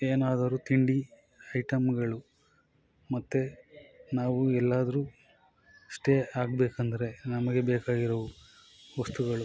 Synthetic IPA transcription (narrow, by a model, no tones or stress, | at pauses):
eːnaːd̪ɐɾut̪iɳɖi | ɐjʈɐmɡɐɭu | mɐt̪ːenaːʋuɛlːaːd̪ɐɾuː | sʈeaːɡ̚beːkɐnd̪ɐɾe̞nɐmɐɡe̞beːkaːɡiɾɐʋu | ʋɐst̪uɡɐɭu